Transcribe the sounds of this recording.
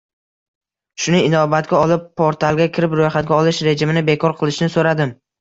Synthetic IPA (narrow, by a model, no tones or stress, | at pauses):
ʃʊnɪɪnɒbat̪̚ɡʲaɒlˠɪpːoɾt̪ʰalˠɡʲakʲʰɪɾɪpɾojχat̪̚ɡʲaɒlˠɪʃɾe̞d͡ʒɪmɪnɪbe̞kʰɒɾqʰɨlˠɪʃɪnɪsoɾad̪ɪm